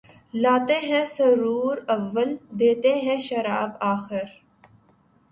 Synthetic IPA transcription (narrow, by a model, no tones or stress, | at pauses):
laːt̪eɦɛ̃sɐɾuːɾɐʋːəld̪eːt̪eɦɛ̃ʃɐɾaːbaːxɪɾ